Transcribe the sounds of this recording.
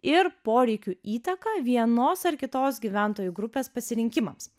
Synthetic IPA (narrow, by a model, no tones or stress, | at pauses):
ɪɾpoːɾʲɛɪkʲuiːt̪ɐkɐʋʲiɛnoːsɐɾkʲɪt̪oːsɡʲiːʋʲæˑnt̪oːjuɡɾʊpʲeːspɐsʲɪɾʲɪŋʲkʲɪmɐms